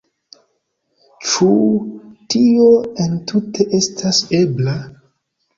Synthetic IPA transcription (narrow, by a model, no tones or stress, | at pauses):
t͡ʃu | tioentʰutʰe̞ʔe̞stʰasebla